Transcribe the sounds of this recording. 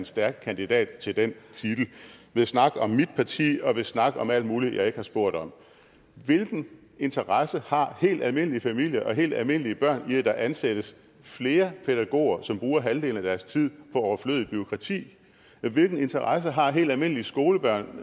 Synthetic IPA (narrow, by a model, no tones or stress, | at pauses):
nsd̥æɐɡ̥̚kʰænd̥id̥ɛ̰ːd̥t͡sʰe̝ld̥ent͡sʰid̥l̩ʋe̝snɑ̈ɡ̥əɒ̽mːid̥pʰɑ̈t͡sʰḭːɒ̽ʋe̝snɑ̈ɡ̥əʔɒ̽mæl̰d̥muːlijɑ̈ɪe̝ɡ̥hɑ̈sb̥o̝ɐ̰d̥ɒ̽m | ʋe̝lɡ̥n̩ | e̝nt͡sʰɐʁɑsəhɑ̈he̝̰ːld̥ælme̝n̰əlifæmil̰jɐʔɒ̽ɦe̝̰ːld̥ælme̝n̰liəb̥ɶɐ̰niæd̥ɑ̈ʔænsed̥əs | fle̝ːɐpʰeɾæɡ̥o̝̰ːɐsɒ̽mb̥ʁuːɐɦæld̥e̝̰ːlən̩æd̥æɐst͡sʰið̞̰ˠpʰɒ̽ɒʊɐfløð̩ˠb̥yo̝kʰʁɑ̈t͡sʰḭː | ʋe̝lɡ̥n̩e̝nt͡sʰɐʁɑs̬əɦɑ̈ɦe̝̰ːld̥ælme̝n̰əlisɡ̥o̝ːləb̥ɶɐ̰n